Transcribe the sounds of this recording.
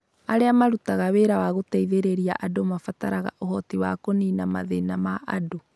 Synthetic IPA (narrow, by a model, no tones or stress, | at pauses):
aɾeamaɾutaɣaweːɾawaɣoteiðeɾeɾia̰ʔadomafataɾaɣa̰ʔohɔtiwakoninama̰ðenamaʔado